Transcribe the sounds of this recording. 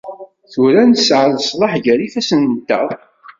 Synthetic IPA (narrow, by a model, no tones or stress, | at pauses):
θulænt̪əsʕəðəsˤlˤɑħʝəɾifæsənt̪ːə̰ðˤ